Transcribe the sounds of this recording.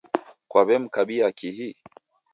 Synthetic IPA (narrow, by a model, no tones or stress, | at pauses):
kwaβɛm̩kaɓiakiɦi